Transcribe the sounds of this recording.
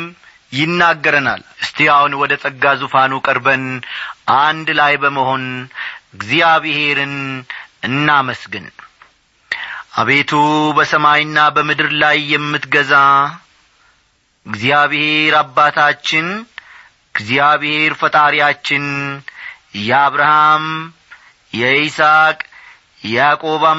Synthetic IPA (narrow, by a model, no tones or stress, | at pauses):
m | jɪnːaɡːəɾəna̰lɨst̪ʰijahunwɔd̪ət̪ʼəɡːazufanukʼəɾbənʔand̪lajbəməho̞nɨɡzijaβɨhe̞ɾɨnɨnːaməsɡɨn | ʔa̰βe̞t̪ʰubəsəmajnːabəmɨd̪ɨɾlajːɛmːɨt̪ɡəza | ɨɡzijaβhe̞ɾabːat̪ʰat͡ʃːɪn | ɨɡzijaβhe̞ɾfət̪ʼaɾijat͡ʃːɪn | jɛaβɾaham | jɛsakʼ | jɛakʼo̞βa